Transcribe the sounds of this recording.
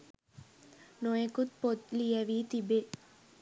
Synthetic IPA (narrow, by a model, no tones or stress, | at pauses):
nojekut̪̚pot̪lijɐʋiːt̪ibe